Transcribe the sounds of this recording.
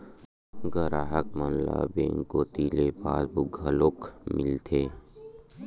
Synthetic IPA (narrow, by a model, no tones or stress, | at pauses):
ɡəɾaːɦəkmənla̰bḛ̃ŋkoːt̪ilepaːsbuɡʱəloːkmɪ̰lt̪ʰeː